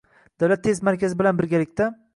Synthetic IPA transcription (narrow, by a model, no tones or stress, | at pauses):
d̪̥awlat̪ʰːe̞zmaɾkʲʰazɪbɪlanbɪɾɡʲalɪkʲt̪a